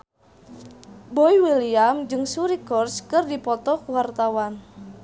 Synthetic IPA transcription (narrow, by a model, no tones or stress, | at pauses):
boiwiliamd͡ʒɨŋsuɾikɔrskɨrdipɔt̪ɔkuwart̪awan